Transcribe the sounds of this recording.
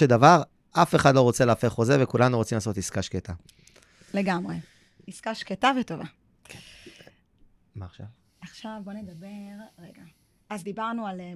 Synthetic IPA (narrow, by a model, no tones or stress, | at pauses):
ed̪avaʁ | ʔafeχad̪lo̞ʁo̞t͡selaːfeχozevekulanuʁot͡simlaːso̞t̪iskaʃket̪a | le̞ɡamʁe | iskaʃketavetova | kʰ | maχʃav | aχʃavbo̞ned̪abeʁʁeɡa | azd̪ibaʁnual